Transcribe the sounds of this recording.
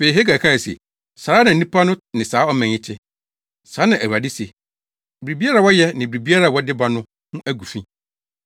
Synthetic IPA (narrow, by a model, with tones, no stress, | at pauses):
fe˨i˨ɦe˦ɡa˨kʰa˦ɛ˨sḛ˨ | sa˨a˦nã˨˦nĩ˦pʰa˦nʊ̃˦nɪ̃˨saː˨˦ɔ˦mɛ̃˨ɲɪ̃˦tʰɪ˦ | saː˨˦nã˨ʔæ˨wa˨dɪ˦se˨ | bɾi˨bi˦a˦ɾa˦˨wɔ˦jɛ˦nɪ̃˨bɪ˨ɾi˨bi˦a˦ɾa˨wɔ˦dɪ˦ba˨nʊ̃˦ | nʊ̃˦ʔæ˦ɡu˨fĩ˦